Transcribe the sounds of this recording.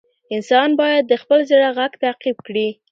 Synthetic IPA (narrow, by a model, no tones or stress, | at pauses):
ɪnsɑnbɑjad̪ːəxpəlzəɽaɣaɡt̪aqib̚kɽi